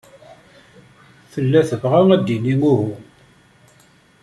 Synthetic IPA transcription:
θəlːæθəvʁawæd̪inimuɦu

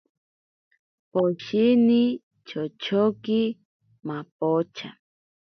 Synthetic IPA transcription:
poʃini | t͡ʃʰot͡ʃʰoki | map̚ot͡ʃʰa̰

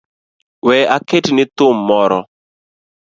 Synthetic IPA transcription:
wɛaketnɪt̪ʊmːɔɾɔ

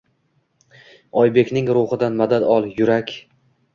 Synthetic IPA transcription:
ɒjbe̞kʲnɪŋɾʊχɨd̪anmad̪ad̪ɒlˠjʊɾakʲ

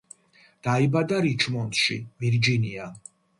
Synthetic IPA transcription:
d̪̥aibad̪aɾit͡ʃʰmɔnt̪ʃḭviɾd͡ʒinia

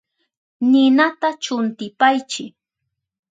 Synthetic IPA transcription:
nɪnat̪at͡ʃʊnt̪ɪpajt͡ʃɪk

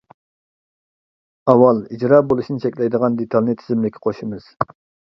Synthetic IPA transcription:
ɑwɑlˠid͡ʒɾɑːbolˠuʃinɪt͡ʃʰɛkʲlɛjd̪əʁɑnd̪et̪ʰɑlˠnɨt̪ʰɪzɪmlɪkʲʰːɪ̥qʰoʃimɨz̥

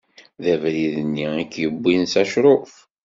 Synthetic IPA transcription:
ðævɾiðənːiækːjəbːinsæʃɾˤof

